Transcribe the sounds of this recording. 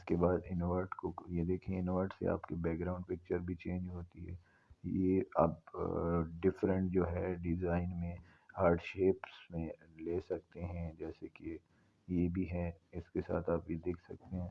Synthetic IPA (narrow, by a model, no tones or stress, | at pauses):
ɪskebaːd̪ɪnoːʋəɾʈkojed̪eːkʰiẽɪnoʋəɾʈsḛa̰ːpkebɛːk̚ɡɾaːʊ̃ɳɖpɪk̚t͡ʃəɾbʱit͡ʃẽːɲd͡ʒɦoːt̪iɦɛː | jea̰ːp | ɖɪfɾə̃ɳʈ̚d͡ʒoːɦɛɖɪzaːɪnmẽ | haːɾɖʃeːpsmẽleːsɐk̚t̪eɦɛ̃d͡ʒɛːseke | jebʱiɦɛɪskesa̰ːt̪ʰaːpjid̪eːkʰsɐk̚t̪eɦɛ̃ː